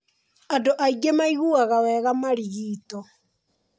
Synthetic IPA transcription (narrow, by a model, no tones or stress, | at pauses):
adoʔaiɡemaiɣuaɣawɛɣamaɾiɣiːtɔ